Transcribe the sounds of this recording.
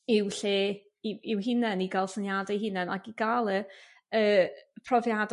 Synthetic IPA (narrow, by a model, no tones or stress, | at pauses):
ɪwɬeː | ɪwɦɪnɛniɡalˠsənjadɛjɦɪnɛna̰ɡiɡalˠə | əːpʰrɔvjad